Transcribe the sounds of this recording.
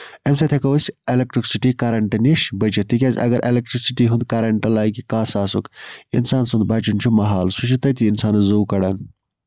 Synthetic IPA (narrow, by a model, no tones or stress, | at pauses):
emsɐt̪ʰekɐwsʲelek̚ʈɾiksiʈikaɾɐɳʈɐniʃbɐt͡ʃɐt̪ikʲaːzʲɐ̰ɡɐɾʔelek̚ʈɾiksiʈiɦũnd̪̚kaɾɐɳʈɐlaːjkikaːsaːsukḭnsaːnsɐ̃nd̪bɐːt͡ʃunt͡ʃʰumɐɦaːlsut͡ʃʰit̪ɐt̪iinsaːnɐzoːwkɐɽɐːn